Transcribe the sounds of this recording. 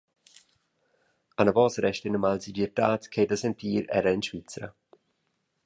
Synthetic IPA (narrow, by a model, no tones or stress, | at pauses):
anəvɔːsəɾɛʃtɪnəmalsidiɾdaːtkʰeːdəsɛntiːɾɛ̰ɾəɪnʃvit͡sɾə̰